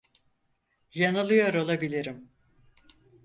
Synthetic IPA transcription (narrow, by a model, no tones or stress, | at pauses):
janɯlˠɯjaɾo̞lˠabilʲiɾim